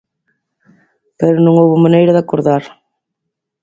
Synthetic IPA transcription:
peɾʊnõŋowβʊmanejɾaðakoɾðaɾ

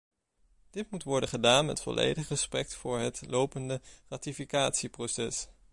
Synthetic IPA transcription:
d̥ɪtmutʋɔɹdəχədaːnmɛ̰tfɔ̰lʔḛjdəχəsprɛk̚tfʊːɹɦətlowpəndəraːtifikaːtsiprowsɛ̰s

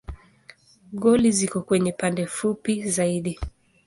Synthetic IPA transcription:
ɠɔlizikɔkwɛɲɛpandɛfupizaiɗi

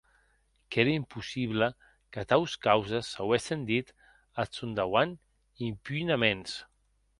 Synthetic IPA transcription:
keɾəimpusiβlə | kət̪awskawzəsːawesind̪it̪ | asund̪awan | impynamens

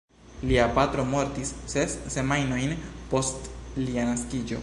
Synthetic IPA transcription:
liapatɾo̞mo̞ɾtisːe̞sːe̞majno̞jnpo̞stlianaskid͡ʒo̞̰

